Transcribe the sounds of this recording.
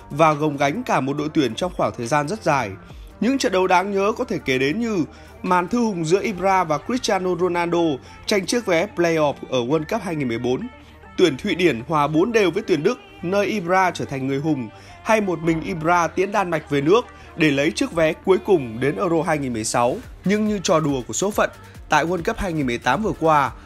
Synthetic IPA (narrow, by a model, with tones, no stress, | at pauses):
vaː˨˩ɣə˨˩wŋ͡mɣa˨˦jŋ̟kaː˧˩mo˨˩t̚ɗo̰˧˨jt̪wi˧˩ənt͡ɕɔ˧wŋ͡mxwaː˧˩ŋt̪ʰəː˨˩jzaː˧nzə˦˥t̚zaː˨˩j | ɲɨ̰˧˥ŋt͡ɕə̰˧˨n̚ɗə˨˧˦wɗaː˨˦ŋɲəː˨˦kɔ˨˦t̪ʰe˧˩ke˨˩ɗe˨˦nɲɨ˧ | maː˨˩nt̪ʰɨ˧hʊ˨˩ŋ͡mzɨ̰˧˥ʔi˧pzaː˧vaː˨˩kɾi˦˥t̚t͡ɕaː˧no˧zo˧naː˧nɗo˧ | t͡ɕa˧jŋ̟t͡ɕɨ˦˥ək̚vɛ˨˦ple˧jʔɔ˦˥˩p̚ʔəː˧˩ɣwə˧nkə˦˥p̚ɦaː˧jŋi˨˩mɨ˨˩ə˩jɓo˨˦n | t̪wi˧˩ənt̪ʰwḭ˧˨ɗi˧˩ənhwaː˨˩ɓo˨˦nɗe˨˩wvəː˨˦jt̪wi˧˩ənɗɨ˦˥k̚nəː˧jʔi˧bzaː˧t͡ɕəː˧˩t̪ʰa˨˩ŋ̟ːŋɨ˨˩əjɦʊ˨˩ŋ͡m | ha˧jmo˨˩t̚mï˨˩ŋ̟ʔi˧ɓzaː˧t̪i˨˦ənɗaː˧nma˨˩jk̟̚ve˨˩nɨ˦˥ək̚ | ɗe˧˩lə˨˦jt͡ɕɨ˦˥ək̚vɛ˨˦ku˨˦əjkʊ˨˩ŋ͡mɗe˨˦nʔəː˧zo˧ɦaː˧jŋi˨˩nmɨ˨˩əjsa˨˦w | ɲɨ˧ŋɲɨ˧t͡ɕɔ˨˩ɗu˨˩əku˧˩əso˨˦fə̰˧˨n | t̪a̰ː˧˨jkwə˧nkə˦˥p̚haː˧jŋi˨˩nmɨ˨˩ə˩jt̪aː˨˦mvɨ˨˩əkwaː˧